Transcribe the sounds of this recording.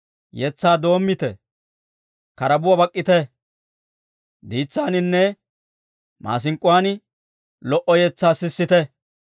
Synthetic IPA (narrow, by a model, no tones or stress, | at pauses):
jɛt͡sːaːd̪o̞ːmːɪt̪ɛ | kɐɾɐbʊwɐbɐkʼːɪt̪ɛ | d̪iːt͡sːaːnɪnːɛ | mʔa̰ːs̬ɪŋkʼːʊwaːnɪ | lɔʔɔjɛt͡sːaːsɪsːɪt̪ɛ